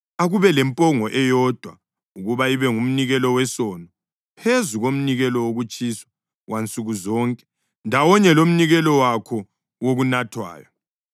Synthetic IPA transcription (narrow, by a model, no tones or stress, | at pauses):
aɣuβɛlɛmpʼɔŋɔʔɛjɔd̥ʱwa | uɣuβaiβɛŋum̩niɣɛlɔwɛsɔnɔ | pʰezuɣom̩niɣɛlɔwoɣut͡ʃʼiːswḁ | wʔant͡sʼuɣuzɔːŋkʼɛ̥ | ndʱawɔɲɛlom̩niɣɛlɔwakʰɔ | woɣunatʰwa̰ːjɔ